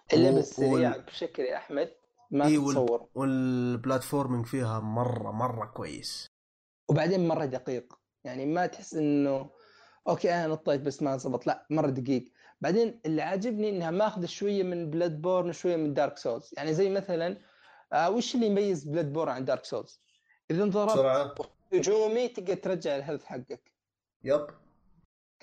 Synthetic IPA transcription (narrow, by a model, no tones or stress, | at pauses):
ʔɪlːabɪsːaɾiːʕabʃaklʔaħmad̪̚ | masˤɑwːɪɾˤwɪlblaːt̪foːɾmɪŋɡfiːɦamɑrˤːɑ̰mɑrˤːɑkwa̰jːɪ̰s | wbaʕd̪eːnmɑrˤːɑd̪aqiːq | jaʕnimat̪ħɪsːʔɪnːʊ | ʔoːkeːʔananɑt̪ˤːeːk̚basːmazˤɑbɑt̪ˤlaʔmɑrˤːɑd̪ɪɡiːɡ | baʕd̪eːnʔɪlːiʕaːd͡ʒɪbniʔɪnːhamaʔaːxʊðaʃwajːamɪnblad̪̚boːɾˤnʃwajːamɪnd̪ɑːɾˤksoːlsjaʕnizajːmaθalan | wɪʃɪlːijbajːɪzblad̪̚boːɾʕand̪ɑːɾˤkso̰ːls | ʔɪðant̪ðˤɑɾˤɑɾˤʕ | hʊd͡ʒuːmit̪ɪɡɡ̪at̪ɾˤɑd͡ʒːaʕɪlɦad̪aθħaɡːak | jab